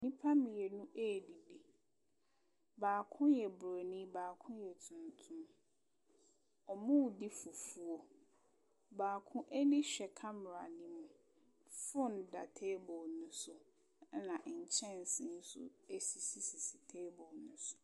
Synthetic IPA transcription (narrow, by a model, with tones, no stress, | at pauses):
nĩ˦pʰa˦mɪ̃˨ɛ˨nʊ̃˦ʔeː˦˨di˨di˨ | baː˨kʰʊ̃˦njɛ˨bɾo˨nĩ˦baː˨kʰʊ̃˦jɛ˨tʰʊ̃˨ntʰũ˦m | ɔ˨mʊ̃˦˨di˦fu˨fu˨o˦ | baː˨kʰʊ̃˦ʔe˦nĩ˦ɕᶣɛ˨kʰa˦m˨ɾa˨nĩ˦mʊ̃˨ | fʊ˦n˨da̰˨tʰe˦bɔ˨lnʊ̃˦sʊ˦ | nã˨ʔɲ̩˨t͡ɕʰɛ̃˦n̩˨sɪ̃˦n̩˦sʊ̰˦e˦si˨si˨si˨si˨tʰe˦bɔ˨lnʊ̃˦sʊ̥˨